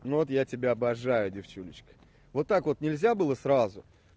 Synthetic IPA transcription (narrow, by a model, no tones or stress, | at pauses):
nuvot̪jatʲɪbʲaɐbɐʐajʊdʲɪft͡ɕulʲɪt͡ɕkə̥ | vo̞t̪ːakvo̞t̪nʲɪlʲzʲabɨlˠəsɾazʊ